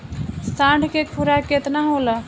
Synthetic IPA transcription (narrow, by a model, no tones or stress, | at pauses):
sãɳɖʱkekʰuɾaket̪naɦolə